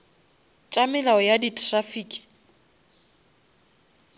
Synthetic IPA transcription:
t͡ʃʼamɪlaɔjaditʰʼrafiːkʼi̥

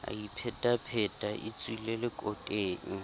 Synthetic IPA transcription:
a̰ipʰɛtʼapʰɛtʼaʔḭt͡sʼwilelɪkʼɔkʼeːŋ̩

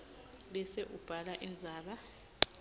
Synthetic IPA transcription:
ɓɛsɛʔub̥ʱalaʔind͡zʱaːɓa

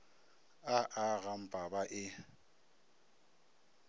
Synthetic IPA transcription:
aʔaɣam̩pʼabaʔɪ

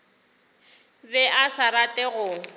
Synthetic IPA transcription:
bɛʔasaɾatʼɛɣʊ

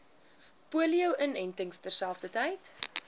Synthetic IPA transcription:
puəliəwʔənɛntəŋstərsælˠfdətəjt

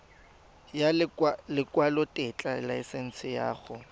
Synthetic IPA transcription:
jalɪkʼwalʊtʼɪt͡ɬʼalaɪsen̩sɪja̰ːɣʊ

